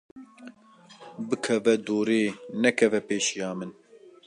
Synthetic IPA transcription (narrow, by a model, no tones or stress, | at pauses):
bɨkʰɛvɛd̪uːɾeːnɛkʰɛvɛpeːʃijɑːmɨn